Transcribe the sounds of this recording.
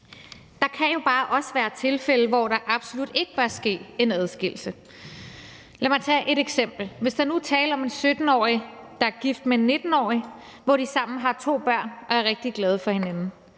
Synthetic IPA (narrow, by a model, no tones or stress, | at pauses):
d̥ɑ̈kʰæjo̝b̥ɑ̈ːʔɒ̽səʋæːɐt͡sʰe̝lfeləʋɒɾ̥ɑ̈ʔɑ̈b̥so̝lud̥e̝ɡ̥əb̥ɶɐsɡ̥e̝̰ːe̝næð̞ˠsɡ̥el̩sə | læmɑ̈ɪt͡sʰɛːʔe̝ɾeɡ̥sem̰b̥l̩ʋe̝sd̥ɑ̈nut͡sʰɛ̰ːləɒ̽me̝nsød̥n̩ɒ̰ːid̥ɑ̈æɐɡ̥ifd̥meenːe̝d̥n̩ɒ̰ːiʋɒd̥isɑ̈m̰n̩ɦɑ̈t͡sʰo̝̰ːb̥ɶɐ̰nɒ̽æɐʁɛɡ̥̚d̥iɡ̥lɛːð̞ˠəfɒ̽he̝nænn̩